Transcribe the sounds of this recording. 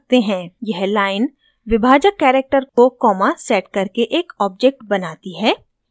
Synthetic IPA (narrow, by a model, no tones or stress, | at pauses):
t̪eɦɛ̃jɛɦlaːɪn | ʋɪbʱaːd͡ʒəkːɛːɾek̚ʈəɾkokɔːmasɛːʈkɐɾkeʔeːkɔːb̚d͡ʒek̚ʈbɐnaːt̪iɦɛː